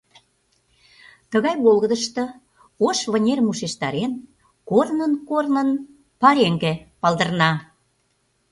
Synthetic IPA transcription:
t̪əɣɑjβolɣəd̪əʃt̪ɤ̆ | oʃβənʲermuʃeʃt̪ɑɾen | kornənkornən | pɑɾeŋɡĕpɑld̪ə̆rnɑ

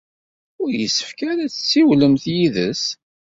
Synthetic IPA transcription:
ʊɾjəsːə̥fkæɾæt͡sːə̥t͡sːiwləmθjiðəs

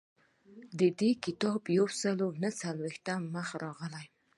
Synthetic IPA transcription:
d̪əd̪ekɪt̪ɑbjawsəlonət͡salwext̪amːəxaɾɑɣəlaj

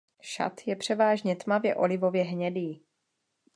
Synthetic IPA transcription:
ʃa̰t̪jɛpr̝̥ɛvaːʒɲɛt̪mavjɛ̰ʔo̞lɪvo̞vjɛɦɲɛdiː

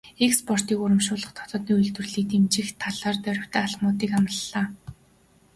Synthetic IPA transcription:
ekspɔr̥t̪iːkʊɾə̆mʃʊːɮə̆χt̪ʰɔ̥t̪ɞ̆ːt̪niːuj̆ɮt̪ɵ̆rɮiːk̚t̪emt͡ɕɪ̆xt̪ʰaɮaːrt̪œɾʲɪ̆w̥t̪ʰæːaɮmʊːt̪iːkanə̆ɮːaː

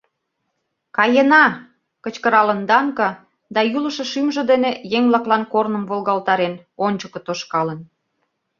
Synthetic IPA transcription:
kɑjenɑ | kə̆t͡ɕkəɾɑlənd̪ɑŋkɤ | d̪ɑjulə̆ʃĕʃymʒĕd̪enejeŋblɑklɑnkornə̆mvolˠɣɑlt̪ɑɾenonʲt͡ɕəkɤ̆t̪oʃkɑlə̆n

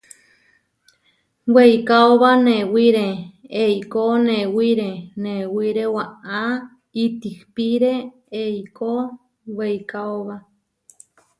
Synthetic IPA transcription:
weikaoβanẽwiɾeejkonẽwiɾenewiɾewaa | it̪ihpiɾe | ejko | wejkaoβa

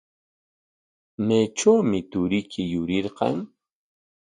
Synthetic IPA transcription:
met͡ʃawmɪt̪ʊɾɪkʰɪjʊɾɪɾqɑ̰ŋ

